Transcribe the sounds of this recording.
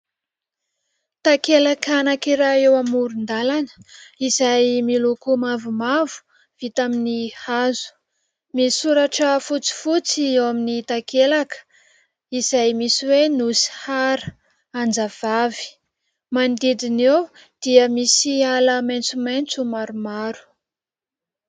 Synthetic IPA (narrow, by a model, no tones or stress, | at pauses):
t̪akelakanakiɾaewamuɾund̪alanə̥izajmilukumavumavu̥ | v̥it̪aminihazu̥ | misuɾaʈ͡ʂəfut͡si̥fut͡siewaminit̪akelakə̥ | iz̥ajmisiwenusi̥haɾə | and͡zav̥avi̥ | mand̪id̪inew | d̪̥iəmisialəmajnt͡sumajnt͡sumaɾumaɾu̥